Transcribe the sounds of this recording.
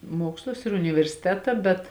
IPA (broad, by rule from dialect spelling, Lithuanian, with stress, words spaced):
ˈmuɔkslˠʊs ɪr ʊnʲɪʋʲɛrʲsʲɪˈtʲæːtɐ bʲɛt